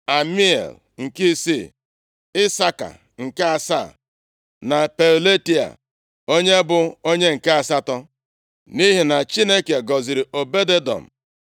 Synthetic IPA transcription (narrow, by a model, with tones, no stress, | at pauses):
a˨mi˦ḛ˨l | ŋ̩˨ki˦sḭ˦ | ɪ˦sa˦ka̰˨ | ŋ̩˨ke˦a˨sa̰˦˨ | na˨pe˨ɾle˦ti˦a̰˨ | o˦ɲe˦bʊ˨o˦ɲe˦ŋ̩˨ke˦a˨sa˦tɔ˦ | ni˦ɦi˨na˨t͡ʃi˦ne˦ke˨ɡɔ˨zi˨ɾi˨ʔo˨be˦de˦dɔ̰˨m̩˨